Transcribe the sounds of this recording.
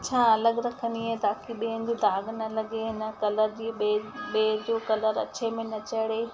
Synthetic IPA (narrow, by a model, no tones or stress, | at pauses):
t͡ɕʰãːɐləɡɾɐkʰəniɦet̪aːkiɓiɦə̃n̆d͡ʑid̪aːɡnɐlɐɡeɦɪnə̆kɐləɾd͡ʑiːeɓeːd͡ʑoːkɐləɾɐ̰t͡ɕemɪ̃nɐt͡ɕəɽeː